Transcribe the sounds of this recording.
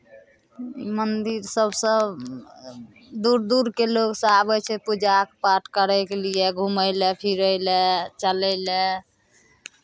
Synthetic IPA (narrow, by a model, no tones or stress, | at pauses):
imənd̪iɾsəbsəb | d̪uɾd̪uɾkeloɡsə̃abɛt͡ʃʰɛpud͡ʒakpaʈʰkəɾɛkelieɡʱuməɪlɛpʰiɾəɪlɛt͡ʃəlɛɪlɛ